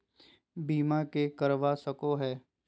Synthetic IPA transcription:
biːmakekəɾʋasəkoɦɛː

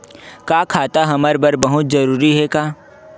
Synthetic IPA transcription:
kaːkʰaːt̪aɦɐməɾbəɾbɐɦʊt̪zɐɾuːɾiɦɛkaː

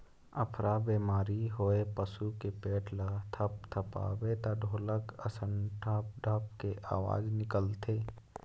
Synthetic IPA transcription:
ə̰pʰɾʔabeːmaːɾiɦoepəsukepeːʈʰlat̪ʰəp̚t̪ʰəpa̰ːwet̪aɖʱoːləkə̰sənʈʰaːp̚ɖʱəpkeʔa̰ːwa̰ːd͡ʒnɪkəlt̪ʰeː

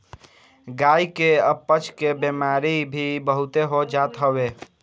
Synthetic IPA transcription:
ɡaːikeəpːət͡ʃʰkebemaɾibʱibəɦut̪eɦod͡ʒat̪ɦəwe

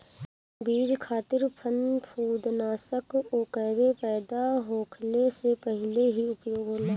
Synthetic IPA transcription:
biːd͡ʒkʰaːt̪ɪɾpʰənpʰuːd̪naːsəkoːkɛːɾepɛːd̪aɦoːkʰlesepəɦɪleɦiʊpjoːɡɦola

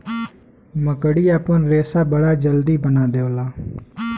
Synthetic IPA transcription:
məkəɽiːaːpənɾeːsaːbəɽaːd͡ʒəld̪iːbənaːd̪eːoːlaː

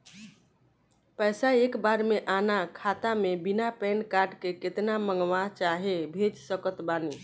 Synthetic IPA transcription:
pəɪsaekbaɾmeʔanakʰat̪amebinapɛnkaɾɖkeket̪naməŋɡʋat͡ʃaɦebʱed͡ʒsəkət̪bani

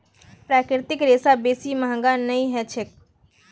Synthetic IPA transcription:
pɾaːkɾɪɾt̪ɪkɾeːsabeːsiməɦɡanəĩɦɛt͡ʃʰek̚

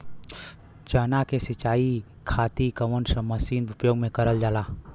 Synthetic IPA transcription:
t͡ʃəːnakesɪt͡ʃaːi | kʰaːt̪ikəmənsə̃məsiːnʊpjoːɡmẽkəɾəld͡ʒaːlaː

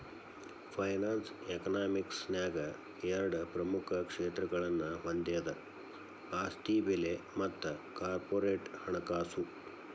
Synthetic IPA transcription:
pʰɐjnaːnsekɐnaːmiksnjaːɡɐ | ɛɾɐɽɐpɾɐmukʰɐkʂeːt̪ɾɐɡɐɭɐnːɐɦond̪eːd̪ɐ | aːsʈiːbelemɐt̪ːɐkaːɾpoːɾeːʈhɐɳɐkaːsu

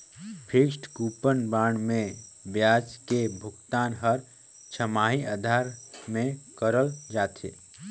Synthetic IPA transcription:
pʰɪkʃʈkuːpənbaːɳmẽ | bjaːd͡ʒkebʱʊkt̪aːnɦəɾ | t͡ʃʰəmaːɦiaːd̪ʱaːɾmẽkəɾəld͡ʒaːt̪ʰḛː

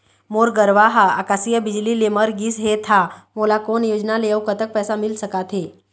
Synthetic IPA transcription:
moːɾɡəɾʋaɦa̰ːkaːsijəbɪd͡ʒlileməɾɡisɦet̪ʰamoːlakoːnjoːd͡ʒnaleəwkət̪ək̚pɛːsamɪlsəkat̪ʰɦeː

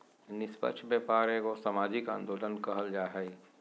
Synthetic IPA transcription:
nɪspə̰tːʃʰbjepaːɾekosamaːd͡ʒɪkã̰ːnd̪oːlənkɐɦəld͡ʒaːɦɛ

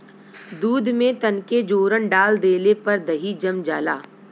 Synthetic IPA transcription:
d̪uːd̪ʱmẽt̪ɐnked͡ʒoːɾəɳɖaːld̪eːlepɐɾd̪ɐɦid͡ʒɐmd͡ʒaːlaː

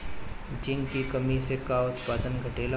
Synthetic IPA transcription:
d͡ʒɪ̃ŋɡkikɐmisekaʊt̪paːd̪ənɡʱɐʈeːla

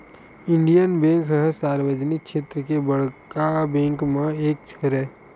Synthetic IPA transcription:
ɪ̃ɳɖijənbẽːŋkɦəɦsaːɾwəd͡ʒnɪk̚ʃʰeːt̪ɾəkebəɽkabɛ̃ːŋkmẽeːk̚t͡ʃʰəɾɛː

